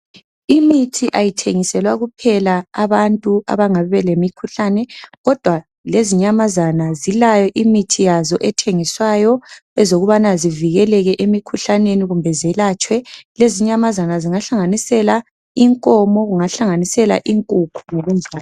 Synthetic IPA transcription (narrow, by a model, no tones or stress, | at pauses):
imitʰiʔajitʰeŋisɛlwaɣupʰɛlaːβantʼua̰βaŋaɛβɛlemikʰuɬanɛɣɔd̥ʱwa | leziɲamazanazilajɔʔimitʰijazɔʔɛtʰeŋiswajɔɛzoɣuβanaziviɣɛlɛɣɛʔemikʰuɬaneniɣumbʱɛzɛlat͡ʃʼwɛleziɲamazanaziŋaɬaŋanisɛla | iŋkʼɔmɔɣuŋaɬaŋanisɛla̰ʔiŋkʼukʰuŋoɣund͡ʒʱaːl